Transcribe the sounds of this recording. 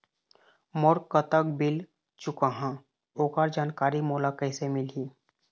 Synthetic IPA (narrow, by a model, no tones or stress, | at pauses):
moɾkət̪ək̚bɪl | t͡ʃʊkaɦã | oːkaɾd͡ʒaːnkaːɾimoːlakəɪsemɪlɦiː